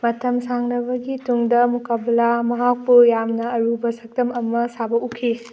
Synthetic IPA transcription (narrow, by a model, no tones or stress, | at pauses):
mɐtʰɐmsaŋɾɐbɐɡituŋdɐmukabɐlamɐɦak̚puɾjamnɐɐɾubɐsɐk̚tɐmɐmɐsabɐkukʰːi